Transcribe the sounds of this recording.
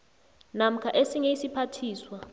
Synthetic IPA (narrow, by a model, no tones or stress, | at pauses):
nam̩kʰaʔesiŋeisipʰatʰiːswa